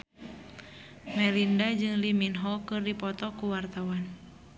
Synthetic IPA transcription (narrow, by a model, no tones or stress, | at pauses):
mɛlindad͡ʒɨŋliminɦɔkɨrdipɔt̪ɔkuwart̪awan